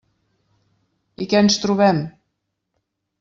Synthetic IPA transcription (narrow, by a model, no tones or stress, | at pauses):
ikɛənst̪ɾuβɛm